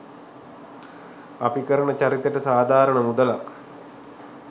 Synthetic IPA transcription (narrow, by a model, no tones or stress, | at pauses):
apikəɾəɳət͡ɕaɾit̪əʈəsaːd̪ʱaːɾəɳəmud̪əla